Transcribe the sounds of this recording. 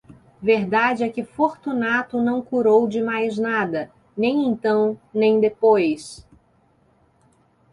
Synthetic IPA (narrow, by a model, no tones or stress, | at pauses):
veɾd̪ad͡ʒɪɛkɪfoɾt̪unat̪ʊnɐ̃w̃kuɾowd͡ʒɪmajznad̪ɐ | nẽj̃ẽnt̪ɐ̃w̃nẽj̃d̪epojs